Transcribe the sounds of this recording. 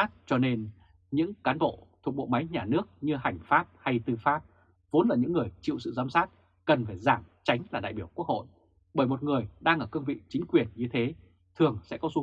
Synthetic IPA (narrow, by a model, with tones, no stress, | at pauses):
t̚t͡ɕɔ˧ne˧n | ɲɨ̰˧˥ŋkaː˨˦nɓo̰˧˨t̪ʰu˨˩k̚ɓo̰˧˨ma˨˦jɲaː˨˩nɨ˦˥ək̚ɲɨ˧ɦa˨˩jŋ̟faː˦˥p̚ha˧jt̪ɨ˧faː˦˥p̚ | vo˨˦nlaː˨˩ɲɨ̰˧˥ŋːɨ˨˩əjt͡ɕḭ˧˨wsɨ̰˧˨zaː˧msaː˦˥t̚ | kə˨˩nfaː˧˩jzaː˧˩mt͡ɕa˨˦jŋ̟laː˨˩ɗa̰ː˧˨jɓi˧˩əwk̚u˦˥ək̚ho̰˧˨jʔ | ɓəː˧˩jmo˨˩t̚ŋɨ˨˩əjɗaː˧ŋʔəː˧˩kə˧ŋvḭ˧˨t͡ɕï˨˦ŋ̟kwi˨˩ənɲɨ˧t̪ʰe˨˦ | t̪ʰɨ˨˩əŋsɛ̰˧˥kɔ˨˦zu˨˦